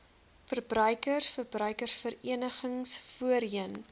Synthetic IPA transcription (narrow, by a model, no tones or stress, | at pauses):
fərbrœɥkərfərbrœɥkərfəɾiənəχəŋsfuəɾəən